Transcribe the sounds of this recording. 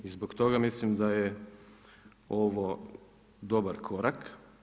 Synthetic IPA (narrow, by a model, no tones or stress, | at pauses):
izbokt̪o̞ɡamislimd̪aje | oʋo | d̪obaɾkʰoɾak